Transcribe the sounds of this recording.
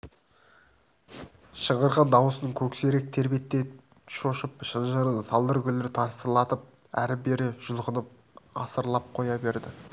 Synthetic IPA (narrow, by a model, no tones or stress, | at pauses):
ʃəʁəɾʁɑnd̪ɑwəsənəɴkʲʰɵkse̞ɾek̚t̪ʰe̞ɾbe̞t̪ːe̞ | ʃoʃəpʃənʒəɾənsɑlˠd̪əɾɡʲʏlɪɾɪt̪ʰɑɾst̪əɾlˠɑt̪əp̚ | æ̰ɾɪbe̞ɾɪʒ̥ʊlˠʁənəp̚ | ɑ̰səɾlˠɑp̚qʰo̞jɑbe̞ɾd̪ɪ